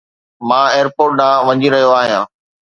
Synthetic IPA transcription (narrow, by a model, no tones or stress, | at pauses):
mãːeːəɾpoːɾʈ̚nãːʋɐ̃ɲiɾɐɦijoaːɦijãː